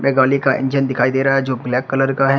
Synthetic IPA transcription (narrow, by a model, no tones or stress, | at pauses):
mɛ̃ːɡaːlikaʔɪ̰̃ɲd͡ʒənd̪ɪkʰaːid̪eːɾaɦd͡ʒoːɡlɛːkːɐləɾkaɦɛ